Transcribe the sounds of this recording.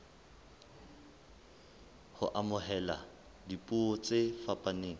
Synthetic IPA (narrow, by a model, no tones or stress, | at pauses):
hʊ̰ʔamʊɦɛla | dipʼuɔt͡sʼefapʼaneːŋ̩